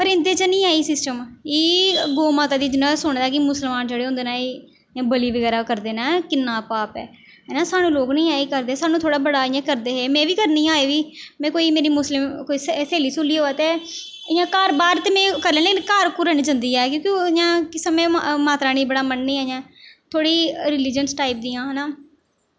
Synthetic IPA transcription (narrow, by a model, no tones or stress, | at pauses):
pəɾɪ̃nd̪eːt͡ʃənĩːaːiːsɪsʈəmiːɡoːmaːt̪aːd̪iːd͡ʒ̪ɪnɔ̃ːsʊɳd̪aːkɪmʊsəlmaːnd͡ʒeːɽeːʊ̃nd̪eːnaː | ãːbəliːʋəɡɛːɾaːkəɾd̪eːnaːkɪnːaːpaːpɛ̰ː | ɛːnãːsaːnũːloːknĩːaːeːkəɾd̪eːsaːnũt̪ʰoːɽaːbəɽaːɪjãːkəɾd̪eːɦeːmɛ̃ːʋiːkəɾnĩːaːeːʋiːmɛ̃ːkoːiːmeːɾiːmʊslɪmkoːiːsseːliːsʊlːiːoːaːt̪eː | ɪjãːkaːɾbaːɾt̪eːmɛ̃ːkəɾlẽːleːkɪnkaːɾkʊɾənːd͡ʒənd̪iːɛːk̬jõːkiojãːkɪsəmẽːmaːt̪ɾaːnĩːbəɽaːmənːĩːɛːjãːt̪ʰoːɽiːɾɪlɪd͡ʒənsʈaːɪp̚d̪ijãːɦɛːnaː